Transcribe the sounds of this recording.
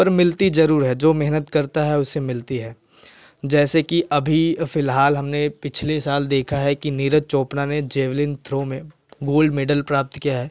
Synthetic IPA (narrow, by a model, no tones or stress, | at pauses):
pɐɾmɪlt̪izɐɾuːɾɦɛd͡ʒoːmɛɦnət̪kɐɾt̪aɦɛʊsːemɪlt̪iɦɛː | d͡ʒɛːsekiʔɐbʱifɪlɦaːlɦɐmnepɪt͡ʃʰlesaːld̪eːkʰaɦɛkiniːɾət͡ʃoːpnaned͡ʒeːʋlɪnt̪ʰɾõːmẽ | ɡoːlɖmeːɖəlpɾaːp̚t̪kijaɦɛː